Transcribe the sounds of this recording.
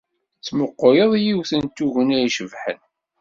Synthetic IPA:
t͡sːməqːojəðˤjiwθənt̪uʝənæjʃəvħən

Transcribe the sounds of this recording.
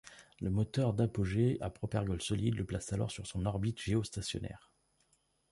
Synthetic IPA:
ləmɔt̪œʁd̪apoʒea̰pχɔpɛʁɡɔlsɔlid̪ləplasalɔ̰ʁsyʁsɔ̃nɔʁbit̪ʒ̥eost̪asjɔ̰nɛ̰ːʁ

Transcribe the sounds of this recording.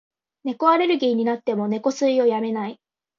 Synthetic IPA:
ne̞ko̞aɾe̞ɾɯ̟ɡiːɲ̟inat̪ːe̞mo̞ne̞ko̞sɨio̞jame̞nai

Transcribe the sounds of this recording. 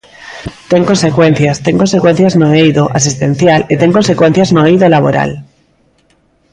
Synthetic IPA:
t̪e̞ŋko̞nse̞kwẽ̞n̟θjast̪e̞ŋkonse̞kwe̞n̟θjaznoejðoʔas̬ist̪ẽ̞n̟θjalet̪e̞ŋko̞nse̞kwe̞n̟θjaznojðolaβ̞o̞̰ɾa̰l

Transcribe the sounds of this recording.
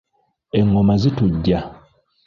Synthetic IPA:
eŋːomazituɟːa

